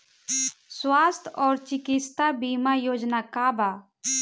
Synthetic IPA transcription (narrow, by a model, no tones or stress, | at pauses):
swaːst̪ʰɔːɾt͡ʃɪkɪst̪abiːmajoːd͡ʒnakaːbaː